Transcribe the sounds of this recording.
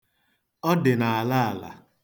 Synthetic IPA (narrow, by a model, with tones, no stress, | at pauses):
ɔ˦dɪ˨na˨a˨la˦a˨la̰˨